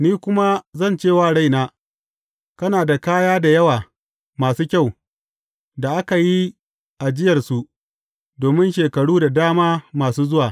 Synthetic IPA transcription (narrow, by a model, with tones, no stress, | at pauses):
niː˦kʷʊ˦ma˦zɐ˦˨nt͡ʃeː˦˨waː˦˨ɽa˦jnaː˦ | kɐ˦naː˨da˨kaː˦jaː˦da˨jɐ˦waː˨ | maː˨suː˦kʲa˦˨w | da˨ʔa˦ka˨ji˦ | ʔa˨d͡ʒɪ˦jɐ˨rsu˨ʔ | doː˨mɪ˦nʃeː˨kɐ˨ɽuː˦da˨daː˦maː˦maː˨suː˦zʊ˦waː˨